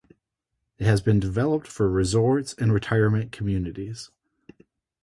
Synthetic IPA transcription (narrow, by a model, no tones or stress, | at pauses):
ɨt̚hɨzbɨ̃ndɨvɛlˠəp̚tfə˞ɹɨzɔɹtsɨ̃nɹɨtʰaɪə˞mɨ̃nkʰm̩jʉnɨɾiz̥